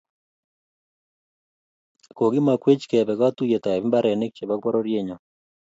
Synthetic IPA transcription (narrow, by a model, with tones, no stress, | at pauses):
ko˨ɡi˦ma˨kwe˦t͡ʃkɛ˨bɛ˨ka˦t̪u˦je˨t̪a˨ɛ˨bi˦mba˦ɾɛ˨ne˦k̚t͡ʃe˨ba˦k̚pɔ˦ɾo˦ɾje˦ɲɔ˨